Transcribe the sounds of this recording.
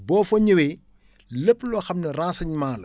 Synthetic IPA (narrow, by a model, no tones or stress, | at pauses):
bɔːfɐɲɐwɛ | ləpːlɔxɐmnɐrãːnsɐɲmaːlɐ̰